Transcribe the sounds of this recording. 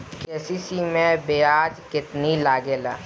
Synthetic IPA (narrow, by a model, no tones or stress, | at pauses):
keːsisimẽbeːaːd͡ʒkɪt̪nilaːɡeːlaː